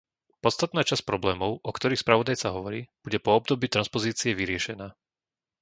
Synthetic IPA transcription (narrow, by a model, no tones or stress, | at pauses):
pɔtst̪at̪naːt͡ʃasc̚pɾɔblɛːmɔʊʔɔkt̪ɔɾiːxspɾaʋɔd̪ajt͡saɦɔʋɔɾḭːb̥uɟɛpɔɔb̚d̪ɔbiːt̪ɾanspɔziːt͡siɛʋiɾɪɛʃɛnaː